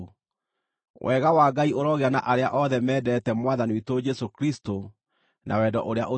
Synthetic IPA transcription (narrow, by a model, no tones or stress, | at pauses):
wʔɛːɣawaːɡaioɾɔɣeanaʔaɾeaʔɔðɛmɛːdɛtɛmwaðaniwitod͡ʒɛsokɾisto | nʔa̰wɛːdɔ̰ʔoɾea̰ʔo